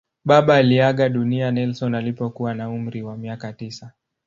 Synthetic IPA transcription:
ɓaɓaːliaɠaɗunianɛlsɔnalipɔkuwanaum̩ɾiwamiakatisa

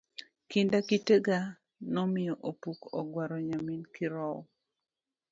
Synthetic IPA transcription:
kɪndakiteɡa | nɔmɪjɔʔopukɔɡwaɾɔɲaminkɪɾɔw

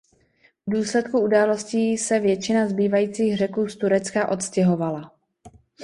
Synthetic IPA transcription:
vduːslɛt̪kuudaːlo̞sciːsɛvjɛt͡ʃɪnazbiːvajiːt͡siːɣr̝ɛkuːst̪uɾɛt͡skaʔo̞t̪scɛɦo̞vala

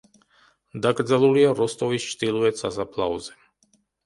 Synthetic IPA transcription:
d̪aɡ̪zaluliaɾɔst̪ɔvit͡ʃt̪iluɛt̪sʰazapʰlˠauzɛ

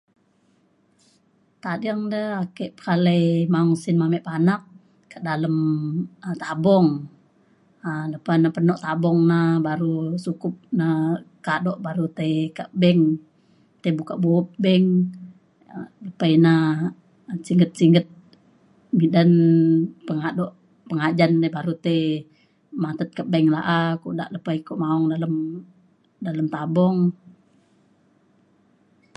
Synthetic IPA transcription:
t̪adaŋdəhakɛʔpə̥kalajmaŋsɪnmamɛʔpanak̚ | kaʔdaləmət̪abɔŋ | ələpanapənɔʔt̪abɔŋnabaɾusukʊp̚nakadɔʔbaɾut̪ajkaʔbɛŋ | t̪ajbukaʔbop̚bɛŋ | ləpaina | siŋɡət̪̚siŋɡət̪̚ | midanpəŋadɔʔ | pəŋad͡ʒanebaɾut̪e | mat̪ət̪̚kabɛŋlaʔakṵʔdaʔləpaikuʔmaɔŋdaləm | daləmt̪abɔŋ

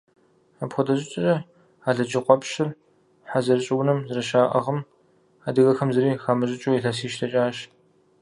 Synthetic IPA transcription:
aːpxʷʊdɐɕʼɪt͡ʃʼrɐ | aːɮɐd͡ʒɪqʷɔpʃɪr | ħazɐrɕʼɪwnɨmzɨrɐʃaːʔɐ̰ʁɐm | aːdɨɣɐxɐmzɐɾiːxaːmɨɕʼɪt͡ʃʼuːjiɬɐsiːʃtʰɐt͡ʃʼaːʃ

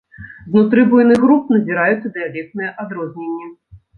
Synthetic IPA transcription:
znut̪ɾɨbujnɨɣɾup̚nɐzʲiɾajut̪sːɐd̪ɨjalʲɛk̚t̪nɨjɐʔad̪ɾɔzʲnʲenʲːɛ

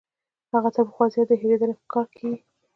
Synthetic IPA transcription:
haɣat͡sabxwɑzjɑd̪əɦeɾed̪əlepə̥kʰɑɾkʰei

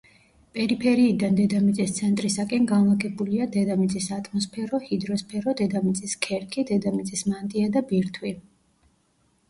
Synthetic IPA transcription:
pʼɛɾipʰɛɾiːd̪and̪ɛd̪amit̪sʼist̪sʰɛnt̪ʼɾisakʼɛnɡanlˠaɡɛbuliad̪ɛd̪amit̪sʼisat̪ʼmɔspʰɛɾɔhid̪ɾɔspʰɛɾɔd̪ɛd̪amit̪sʼiskʰɛɾkʰid̪ɛd̪amit̪sʼismant̪ʼiad̪abiɾt̪ʰwi

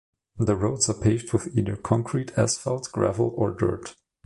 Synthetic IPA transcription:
ðəɹoʊdsapʰeɪvd̚wɪθiːðə˞kʰɔ̃ŋkʰɹitʰæsfɛlˠtɡ̥ɹæ̰vl̩ˠɔɹdɜ̰˞t

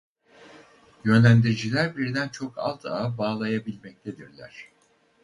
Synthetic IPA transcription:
jø̞nlʲænd̪iɾid͡ʒilʲæɾbiɾd̪ænt͡ʃʰo̞kʰa̰lˠt̪ʰa̰baːlˠajabilʲmɛc̚t̪ʰe̞d̪iɾlʲæ̰ɾ̝̥

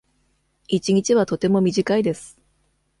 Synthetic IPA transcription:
it͡ɕiɲ̟it͡ɕiβat̪o̞t̪e̞mo̞mʲiʑikaid̪e̞sɨ̥

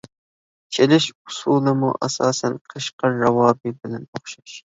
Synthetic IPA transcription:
t͡ʃʰelɪʃʊsuːlˠɨmṵʔasɑːsænqqʰəʃqɑːɑwɑːbibɪlɛnoχʃɑʃ

